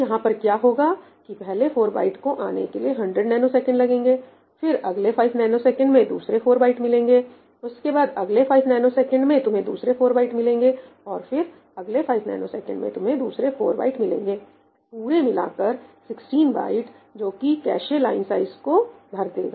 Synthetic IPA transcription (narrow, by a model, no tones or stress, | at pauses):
jɐɦãpɐɾkjaːɦoːɡa | kipɛɦlefʰoːɾba̰ːɪʈkoʔaːnḛkelieɦɐ̃ɳɖɾəɖnaːɪnosɛːkə̃ɳɖlɐɡẽːŋɡeː | fɪɾɐɡlefʰaːɪbnaɪnosɛːkə̃ɳɖmẽd̪ṵːsɾefʰoːɾbaːɪʈmɪlẽːŋɡeː | ʊskebaːd̪ɐɡlefʰaːɪbnaːɪnosɛːkə̃ɳɖmẽt̪ʊmɦẽd̪ṵːsɾefʰoːɾbaːɪʈmɪlẽːŋɡe | ɔːɾfɪɾ | ɐɡlefʰaːɪbna̰ːnosɛːkə̰̃ɳɖmḛ̃t̪ʊmɦẽd̪uːsɾefʰoːɾba̰ːɪʈmɪlḛ̃ːŋɡeː | puːɾemɪla̰ːkɐɾsɪksʈiːnba̰ːɪʈ | d͡ʒoːkikɛ̰ːʃelaːɪnsaːɪzkob̪ʱɐɾd̪ḛːɡa̰ː